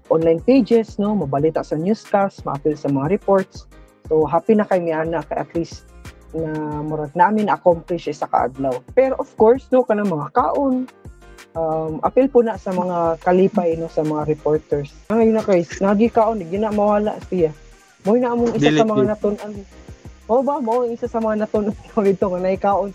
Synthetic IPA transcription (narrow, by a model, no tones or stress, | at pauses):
ʔonlajnpejd͡ʒɛsnomɐbalit̪aʔsɐɲjuskast̪maʔapɪlsɐmɐŋaɾɪpoɹt̪sː | oɦaːpinakajmɪʔaːnaʔkajʔa̰t̪ɾisnamʊɾat̪̚naʔamɪnaʔakomplɪʃaɪsaka̰ʔa̰d̪lawpɛɾoʔofkoɹsnokɐnaŋmɐŋaka̰ːʔon | ʔamʔa̰pɪlpʊnaʔsɐmɐŋakɐliːpajnosɐmɐŋaɾɪpoɹt̪ɛɹsnaŋajʊnakajsnaɡɪkaːʔonɪɡjʊnamɐwaːla̰ʔsɪja | mʊjnaʔamʊŋʔɪssasɐmɐŋanat̪ʊnʔanmoʔobamaʔoŋɪsasɐmɐŋanɐt̪ʊnʔannoɡɪd̪̚t̪oŋanaɪkaːʔon